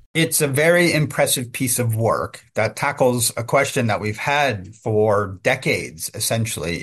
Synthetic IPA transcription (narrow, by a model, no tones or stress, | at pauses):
ɪtsɨvɛɹiɪ̃mpʰɹ̥ɛsɨv̥pʰisʌvwɜ̰˞kðɨtʰækl̩ˠzɨkʰw̥ɛst͡ʃɨ̃nðəʔ̚wiv̥ɨdfə˞dɛkeɪdz̥ɨsɛ̃nʃl̩ˠḭ